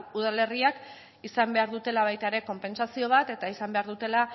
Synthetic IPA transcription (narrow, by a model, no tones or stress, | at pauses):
uð̞ale̞riak | isambe̞aɾðut̪e̞laβ̞ajt̪aeɾe̞ko̞mpe̞nsasio̞β̞at̪e̞t̪aisambe̞aɾðut̪e̞la